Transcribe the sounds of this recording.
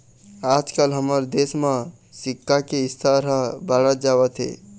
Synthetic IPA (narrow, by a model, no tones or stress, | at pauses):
ad͡ʒkəlɦəməɾd̪esmə | sikːakeist̪ʰəɾəbaɽət̪d͡ʒabət̪ɦḛ